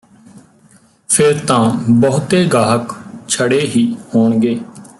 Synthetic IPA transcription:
pʰɪɾt̪ãːbəɦʊt̪eːɡaːɦəkt͡ʃʰəɽeːɦiːhoːɳɡeː

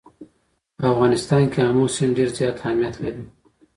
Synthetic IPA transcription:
pəafɣɑnɪst̪ɑnkeamosɪmɖeɾzjɑːt̪hahmijat̪laɾi

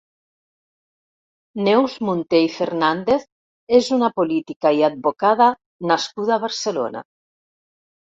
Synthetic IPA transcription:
newzmunt̪ejfeɾnand̪eθ | ezunapolit̪ikaiad̪̚βokaða | naskuðaβaɾselo̰na̰

